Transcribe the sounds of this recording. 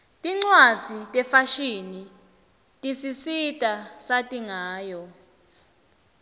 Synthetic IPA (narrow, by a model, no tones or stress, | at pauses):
tʼiŋ͡ǀwad̥z̥ʱitʼɛfaʃini | tʼisisitʼasatʼiŋaːjɔ